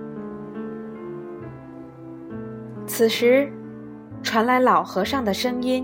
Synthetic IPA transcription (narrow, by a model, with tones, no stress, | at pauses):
t͡sʰɹ̩˨˩ʂɻ̩˧˥ | ʈ͡ʂʰwa˧˥nla˧˥ɪlɑ˨˩ʊxɤ˧˥ʂɑ˥˩ŋd̪ə˩ʂɤ˥ŋi˥n